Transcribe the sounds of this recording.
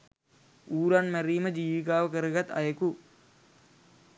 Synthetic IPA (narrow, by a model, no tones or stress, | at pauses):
uːɾanmeriːmɐd͡ʑiːʋikaːʋɐkɐrɨɣɐt̪ɐ̰jɐku